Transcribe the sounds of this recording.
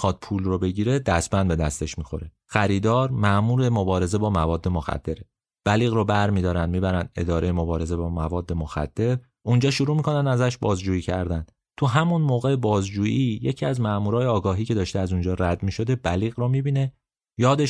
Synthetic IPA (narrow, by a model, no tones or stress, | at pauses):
xɒd̪̥̚pʰulrobe̞ɟiːɾe̞d̪æsbænd̪be̞d̪æst̪e̞ʃmiːxo̞̰ɾe | xæɾiːd̪ɒːɾmæʔmuːɾe̞mobɒːɾe̞ze̞bɒːmævɒːd̪ːe̞moxæ̰d̪̥ːe̞ɾe | b̥æliːɣɾobæɾmiːd̪ɒːɾænd̪miːbæɾænd̪e̞̰d̪ɒːɾe̞jemo̞bɒːɾe̞ze̞bɒːmævɒːd̪ːe̞moxæ̰d̪̥ːe̞ɾ | und͡ʒɒːʃuɾuːmikʰo̞nænd̪æzæʃbɒːzd͡ʒuːjiːcʰæɾd̪æn | t̪ʰuɦæmunmoːɣebɒːzd͡ʒuːjijecʰiæzmæʔmuːɾɒːjeɒːɡɒːɦiːcʰe̞d̪ɒːʃt̪eæzund͡ʒɒːɾæd̪miːʃo̞d̪e̞bæliːɣɾomibiːne̞ | jɒːd̪e